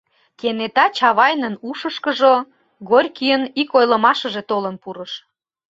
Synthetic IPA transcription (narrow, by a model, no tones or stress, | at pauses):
kenet̪ɑt͡ɕɑβɑjnənuʃəʃkəʒo | ɣorʲkyjənikojlə̆mɑʃəʒet̪olənpuɾəʃ